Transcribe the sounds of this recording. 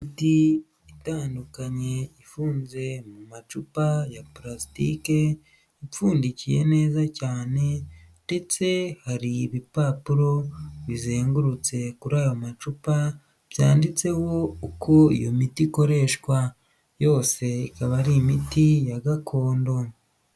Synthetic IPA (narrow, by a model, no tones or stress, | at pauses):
imiti | itaːndukaɲe̞ifuːnze̞mumat͡ʃupajapɾasitḭke̞ | ip͡ffuːndicije̞ne̞ːzacaːne̞nde̞t͡se̞haɾiβipaːpuɾo̞βizeːŋɡuɾut͡se̞kuɾaːjo̞mat͡ʃupa | β̥jaːndit͡se̞wo̞ukʰo̞ḭjo̞mitiko̞ɾe̞ːʃkwa | jo̞ːse̞ikaβaɾimitijaɡakʰo̞ːndo̞